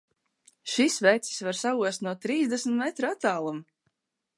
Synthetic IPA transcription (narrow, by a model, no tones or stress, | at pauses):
ʃisvɛjt̪si̥svaɾsauɔst̪nuɔt̪ɾiːzd̪ɛsm̩t̪mɛt̪ɾat̪ːaːlˠum